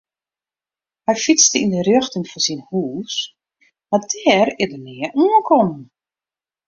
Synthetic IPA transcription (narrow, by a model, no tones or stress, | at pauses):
hɛjfit͡stəindərøxtəŋfɔsinhuːs | madɛːrɪdərnɪəʔuənkʰɔmən